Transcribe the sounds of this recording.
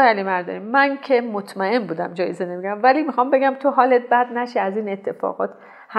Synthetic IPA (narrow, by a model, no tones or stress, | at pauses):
ælimæɾd̪o̰nimænkʰe̞mot̪ʰmæe̞nbuːd̪æmd͡ʒɒːjezenemeɟæmvælimixɒmbe̞ɡæmt̪ʰoɦɒːlet̪̚bæd̪næʃiæziːne̞t̪ʰːe̞fɒ̰ːɣɒ̰ːt̪ | h